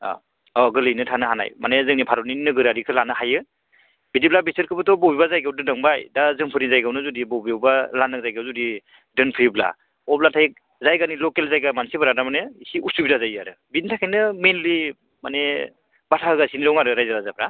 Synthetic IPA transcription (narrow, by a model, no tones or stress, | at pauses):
ɔ̰ | ɔɡɯlɯjnɯtʰanɯɦana̰jmanezɯŋnipʰaɾɔninnɯɡɯɾaɾikʰɯlanɯhajɯ | bidiblabisɯɾkʰɯbɯtʰɔbɔwbiβazajɡawdɯnɯŋbajdazɯŋpʰɯɾnizajɡawnɯzudibɔwbiwbalanɯŋ̚zajɡawzudi | dɯnpʰɯjbla̰ | ɔp̚latʰak̚ | zajɡanilɔkelzajɡamansibɯɾadamanɯisiʔusubidazajaɾɯ | bintʰakʰajnɯmenli | mane | batʰaɯɡasiniɾɔwŋaɾɯɾajzaɾazab̚ɾa